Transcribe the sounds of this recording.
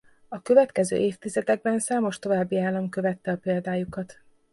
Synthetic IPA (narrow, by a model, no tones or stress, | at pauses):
ɒkø̞vɛt̪kɛzø̰ːʔeːft̪izɛd̪ɛɡ̚bɛnsaːmo̞ʃt̪o̞vaːbːiaːlːɒmkø̞vɛt̪ːɛɒpeːld̪aːjukɒt̪